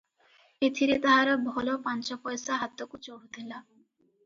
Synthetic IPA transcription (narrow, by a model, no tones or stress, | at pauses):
et̪ʰiɾet̪aɦaɾbʱɔlopant͡ɕɔpɔjsaɦat̪ːokut͡ɕoɦut̪ʰila